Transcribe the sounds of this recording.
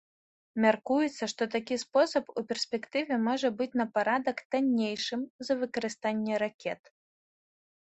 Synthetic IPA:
mʲarkujɛt̪sːɐʂt̪ɔt̪akʲispɔsɐpupʲɛrsʲpʲɛkt̪ɨvʲɛmɔʐɐbɨt͡sʲnɐpaɾad̪ɐkt̪anʲːejʂɨmzɐvɨkɐɾɨst̪anʲːɛɾakʲɛt̪

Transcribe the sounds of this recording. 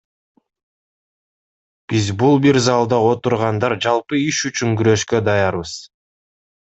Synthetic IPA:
b̥izbulˠbiɾzɑlˠd̪ɑo̞t̪uɾʁɑnd̪ɑɾd͡ʒɑlˠpɯiʃyt͡ʃyŋɡyɾø̞ʃkø̞d̪ɑjɑɾβɯz̥

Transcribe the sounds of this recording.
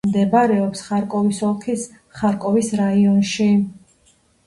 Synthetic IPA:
md̪ɛbaɾɛɔpsχaɾkʼɔvisɔlˠkʰis | χaɾkʼɔvisɾaiɔnʃi

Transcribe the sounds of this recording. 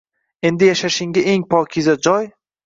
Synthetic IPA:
e̞nd̪ɪjaʃaʃɪŋɡʲaʔeŋpʰɒkʲʰɪzad͡ʒɒj

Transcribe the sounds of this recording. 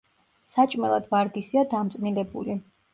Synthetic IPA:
sat͡ʃʼmɛlˠad̪vaɾd̪isiad̪amt̪sʼnilɛbṵli

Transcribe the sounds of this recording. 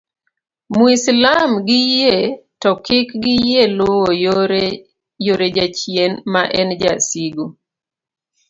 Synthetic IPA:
muislamɡɪjetɔkɪkɡɪjelʊwojɾ | joɾed͡ʒat͡ʃjenmaʔɛnd͡ʒasiɡo

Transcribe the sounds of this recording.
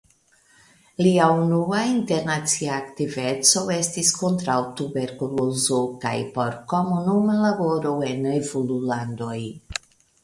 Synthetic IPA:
liaunuainte̞ɾnat͡siaːktive̞t͡so̞e̞stisko̞ntɾawtube̞ɾkulozoka̰jpo̞ɾko̞munumalabo̞ɾo̞e̞nevululando̞j

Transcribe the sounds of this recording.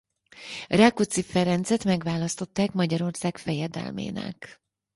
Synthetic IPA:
rakut̪sifɛɾɛnt̪sɛt̪mɛɡʋaːlɒst̪o̞t̪ːaːkmɒɟɒɾo̞rsaːkfɛjɛd̪ɛ̰lmḛːnɛ̰k

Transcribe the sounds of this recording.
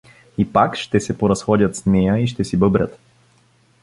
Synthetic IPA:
ipakʃt̪ɛsɛpoɾɐsxɔd̪ʲət̪snɛjəiʃt̪ɛsibɤbɾʲə̰t̪

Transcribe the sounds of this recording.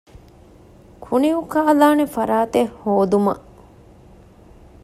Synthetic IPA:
kʰuniukaːlaːnefɐɾaːt̪ehhoːd̪umɐ̰

